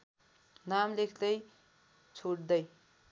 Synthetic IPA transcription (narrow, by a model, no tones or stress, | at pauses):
namlekʰd̪ʌj | t͡sʰoɽd̪ʌj